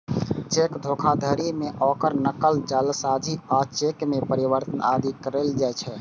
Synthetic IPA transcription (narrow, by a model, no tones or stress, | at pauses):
t͡ʃekd̪ʱokʰad̪ʱəɾimeʔɔkəɾnəkəlt͡ʃəlsad͡ʒʱiat͡ʃekmepəɾiʋəɾt̪ənʔad̪ikəɾeld͡ʒajt͡ʃʰɛ